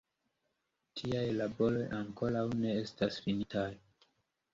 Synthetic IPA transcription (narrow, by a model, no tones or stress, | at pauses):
tʰiajlabo̞lo̞jʔaŋko̞lawne̞e̞stasfinitʰaj